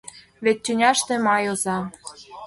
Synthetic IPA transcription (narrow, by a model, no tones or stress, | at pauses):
βet̪̚ʲt͡ɕʲːynʲɑʃt̪ĕmɑjozɑ